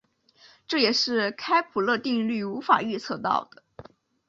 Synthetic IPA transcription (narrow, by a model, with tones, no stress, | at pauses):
ʈ͡ʂɤ˥˩jɛ˨˩ʂɻ̩˥˩kʰa˥ɪpʰu˨˩lɤ˥˧t̪i˥˧ŋly˥˩u˧˥fa̰˨˩y˥˧t͡sʰɤ˥˧t̪ɑ̰˥˩ʊd̪̥ə˩